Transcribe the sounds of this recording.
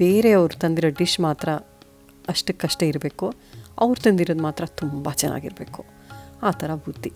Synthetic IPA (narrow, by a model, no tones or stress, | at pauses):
b̥e̞ːɾe̞ɐʋɾut̪ɐnd̪iɾoːɖiʂmaːt̪ɾɐ | ɐʂʈɨkɐʂʈeiɾbe̞ːkuɐ̰ʋɾut̪ɐnd̪iɾod̪maːt̪ɾɐt̪umbɐt͡ʃɛnːʔa̰ːɡiɾbḛːku̥ | aːt̪ʰɐɾɐbʱut̪ːi